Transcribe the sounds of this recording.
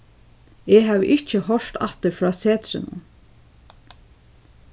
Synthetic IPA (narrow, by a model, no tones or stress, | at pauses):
eːɦaːvʔɪht͡ʃəhɔl̥t̪a̰ht̪əɾfɹɑːseːt̪ɾɪ̰nʊ̰n